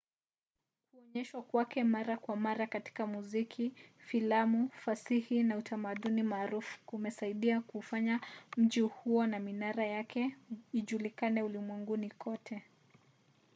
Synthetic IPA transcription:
kuɔɲɛʃwakwakɛmaɾakwamaɾakati̥kamuzikʰifilamufasihinautʰamaɗunimaːɾufu̥umɛsaiɗiakufaɲam̩ʄihuɔnaminaɾajakɛiʄulikanɛulimwɛŋɡunikʰɔtʰɛ

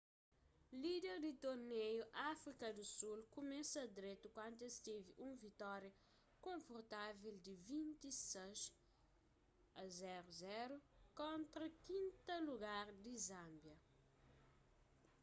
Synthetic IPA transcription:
lid̪eɾd̪it̪oɾnejuʔafɾikɐd̪usulkumɛsɐd̪ɾet̪ukwãnt̪est̪eviʔũvit̪ɔɾjɐ | kõɱfuɾt̪aveld̪ɪvĩnt̪iseʃ | ɐzɛɾuzɛɾukõnt̪ɾɐkĩnt̪ɐluɡaɾd̪izãmbjɐ

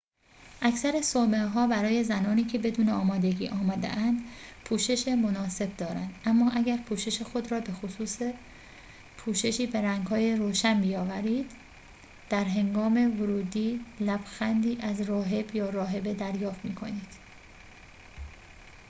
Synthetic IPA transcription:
ʔæksæɾesomeɦɒːbæɾɒːje̞zænɒːniːcʰe̞be̞d̪uːneɒːmɒːd̪e̞ɟiːʔɒːmɒːd̪ḛʔænd̪pʰuːʃe̞ʃemo̞nɒːse̞b̚d̪ɒːɾæ̰nd̪æmːɒːʔæɡæɾpʰuːʃe̞ʃexo̞d̪ɾɒːbe̞xosuːse | pʰuːʃe̞ʃiːbe̞ɾæŋɡɦɒːjeɾoːʃænbiːjɒːvæɾiːd̪̥ | d̪̥æɾɦe̞ŋɡɒːme̞voɾuːd̪iːlæb̥xænd̪iːʔæzrɒːɦe̞bjɒːɾɒːɦe̞be̞d̪æɾjɒːft̪miːkʰo̞niːd̪̥

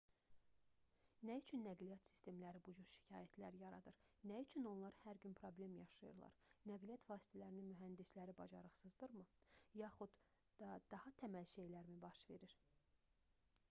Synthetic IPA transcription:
næjyt͡ʃʰynːæɡlijɑt̪si̥st̪e̞mlæɾibud͡ʒuɾʃi̥cʰɑːjæt̪ʰlæɾjɑɾɑd̪ɯɾnæjit͡ʃʰyno̞nlˠɑɾhæɾɟynpʰɾo̞ble̞mjɑʃɯjɯ̰ɾlˠɑ̰ɾnæɡlijɑt̪vɑːsi̥t̪ʰælæɾininmyɦænd̪islæɾibɑd͡ʒɑɾɯχsɯzd̪ɯɾmɯjɑχud̪̥ | d̪ɑd̪̥ɑhɑt̪ʰæmælʃe̞jlæɾmibɑʃve̞ɾiɾ̥

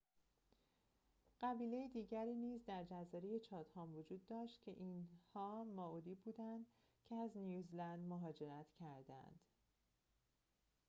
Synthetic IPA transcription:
ɢ̥æbiːle̞jed̪iːɟæɾiːniːzd̪æɾd͡ʒæzɒːɾeje̞t͡ʃʰɒːt̪hɒːmvod͡ʒuːd̪ːɒːʃt̪cʰe̞̰ʔiːnhɒːmɒːuːd̪iːbuːd̪ænd̪ | cʰeæznjuːzlænd̪moɦɒːd͡ʒe̞ɾæt̪ʰcʰæɾd̪æ̰nd̪̥

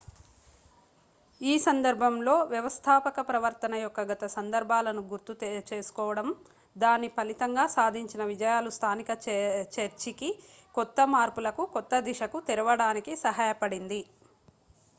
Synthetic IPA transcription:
iːsɐnd̪ɐɾbʱɐmlo̞ːʋjɐʋɐst̪ʰaːpɐkɐpɾɐʋɐɾt̪ɐnɐjɔkːɐɡɐt̪ɐsɐnd̪ɐɾbʱaːlɐnuɡuɾt̪ut͡ʃe̞ːsu̥kɔːʋɐɽɐm | d̪aːnipɐlit̪ɐŋɡaːsaːd̪ʱiɲt͡ʃinɐʋid͡ʒɐjaːlust̪ʰaːnikɐt͡ʃeɾt͡ʃiki | kɔt̪ːɐmaːɾpulɐkukɔt̪ːɐd̪iʂɐkut̪iɾɐʋɐɽaːnikisɐɦaːjɐpɐɽind̪i

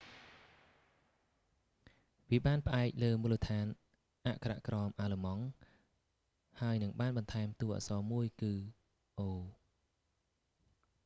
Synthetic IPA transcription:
ʋiəɓaːnpə̆ʔaɛk̚ləːmuːlːət̪ʰaːn | ʔaʔkʰara̰ʔkrɑːmʔaːləmɑŋ | haəjnɨŋɓaːnɓɑnt̪ʰaɛmt̪uəhʔa̰ːsɑːmuəjkɨː | ʔoː

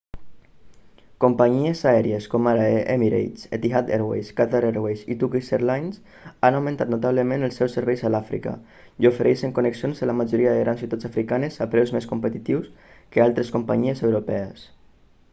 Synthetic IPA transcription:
kompaɲiezaɛɾieskomaɾaemiɾḛjt͡set̪iɦat̪eɾwḛjskat̪aɾeɾwejsit̪ukiseɾlajns | anawmẽnt̪at̪nut̪aβləmẽnəlˠsːɛwsəɾβɛjzəlafɾḭka̰ | iofeɾʔɛjseŋkuneksionzəlamaʒoɾiəðeɣɾansiut̪at͡safɾikanezapɾɛwzmeskumpət̪it̪iwskəalˠt̪ɾeskumpa̰ɲiezewɾopɛəs

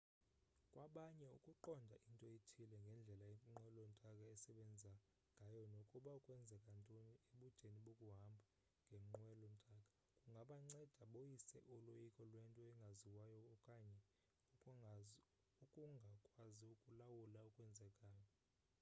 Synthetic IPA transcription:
kʼwaɓaɲɛṵkʼuǃɔndʱaʔintʼɔjetʰilɛŋɡʱɛnd͡ɮʱɛlaem̩ŋ͡ǃwɛlɔm̩tʼakʼaɛsɛɓɛnd͡zʱa | ŋɡʱajɔnokʼuɓaukʼwɛnd͡zʱɛkʼantʼonieɓud̥ʒ̥ʱeniɓokʼuɦambʱa | ŋɡʱem̩ŋ͡ǃwɛlɔm̩tʼakʼḁ | kʼuŋɡʱaɓaŋ͡ǀɛd̥ʱaɓojisɛ̰ʔɔlojikʼɔlwɛntʼɔɛŋɡʱaziwajɔkʼaɲɛ | ukʼuŋɡʱakʼwaziukʼulawulaukʼwɛnd͡zʱɛkʼaːjɔ

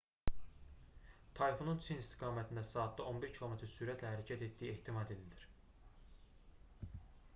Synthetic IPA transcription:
t̪ʰɑjifonunt͡ʃʰinist̪ʰiɡɑːmæt̪ʰind̪æsɑːt̪̚d̪ɑʔo̞nbiɾcʰilˠo̞met̪ʰɾsyɾæt̪ʰlæhæɾæcʰæt̪e̞t̪̚d̪iieht̪ʰimɑd̪ed̪id̪iɾ

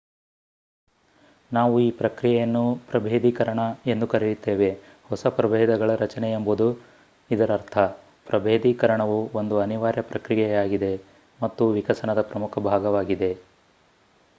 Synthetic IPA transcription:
naːʋuiːpɾɐkɾijɛjɐnːupɾɐbʱeːd̪iːkɐɾɐɳɐe̞nd̪ukɐɾijit̪ːeːʋe̞ | hɔsɐpɾɐbʱeːd̪ɐɡɐɭɐɾɐt͡ʃɐnɛembud̪u | id̪ɐɾɐɾt̪ʰɐ | pɾʔɐbʱeːd̪iːkɐɾɐɳɐʋuond̪uɐniʋaːɾjɐpɾɐkɾijɛjaːɡid̪e̞ | mɐt̪ːuʋikɐsɐnɐd̪ɐpɾɐmukʰɐbʱaːɡɐʋaːɡid̪e̞

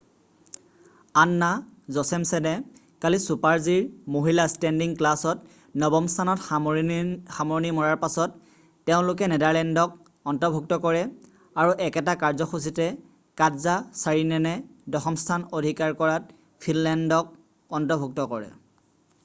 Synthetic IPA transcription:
anːazɔsɛmsɛnɛ | kalisupaɹziɹmoɦilastɛndiŋklasɔt | nɔbɔmstʰanɔt | xamɔɹnimɔɹaɹpasɔtː | eʊ̃lʊk̬ɛnɛdaɹlɛndɔk̚ | ɔntɔbʱuk̚tɔkɔɹɛ | aɹuʔɛkɛtakaɹzɔxus̬itɛ | kadzasaɹinɛnɛdɔxɔmstʰanodʱikaɹkɔɹat̚ | pʰinlɛndɔk̚ | ɔntɔbʱuk̚tɔkɔɹɛ̰

